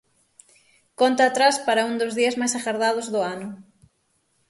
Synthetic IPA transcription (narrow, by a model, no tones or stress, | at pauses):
kont̪aːt̪ɾaspaɾɐuŋd̪ʊzðiɐzmajsaxaɾðað̞ʊzðʊanʊ